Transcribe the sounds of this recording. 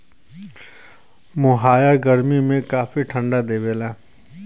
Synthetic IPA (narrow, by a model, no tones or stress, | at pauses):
mʊɦaːjaɡɐɾmimẽkaːfiʈʰə̃ɳɖad̪eːʋeːlaː